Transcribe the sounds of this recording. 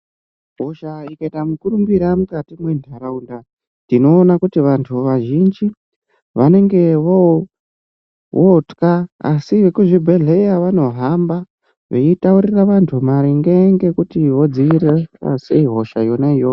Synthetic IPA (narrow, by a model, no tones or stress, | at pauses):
ɦoʃaikaitamukuɾumbiɾamukatimwe̞ndʱaɾaunda | ndino̞ːnakutiʋantʰuʋaʒind͡ʒi | ʋane̞ŋɡe̞ʋo | wotkaa̰siʋekuʐibʱe̞ɮe̞jaʋano̞ɦamba | ʋe̞itauɾiraʋantʰumaɾiŋɡe̞ŋɡe̞kutiʋo̞d͡ziiɾea̰se̞iɦo̞ʃajo̞naijo